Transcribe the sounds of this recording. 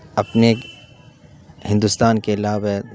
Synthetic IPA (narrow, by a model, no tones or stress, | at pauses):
ɐpne | hɪ̃nd̪ust̪aːnkelaːbe